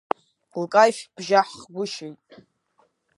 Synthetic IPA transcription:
lkʼajʃb̥ʒaħχɡʷʊʃojtʼ

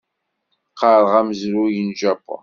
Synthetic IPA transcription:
qɑɾˤəʁæməzɾujənʒæpːo̰n

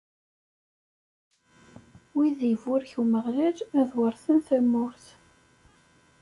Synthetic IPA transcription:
wiðiəvʊɾçuwməʁlæd͡ʒæðwəɾθənθæmːʊɾθ

